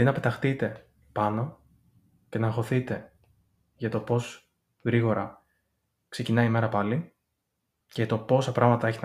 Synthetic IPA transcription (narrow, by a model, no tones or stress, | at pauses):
inɐpe̞t̪ɐxt̪it̪e̞ | pɐno̞ | ce̞nɐːxo̞θit̪e̞ | ʝɐt̪o̞po̞s | ɣɾiɣo̞ɾɐ | kse̞cinɐime̞ɾɐpɐli | ce̞ʝɐt̪o̞po̞sɐpɾɐɣmɐt̪ɐe̞çit̪e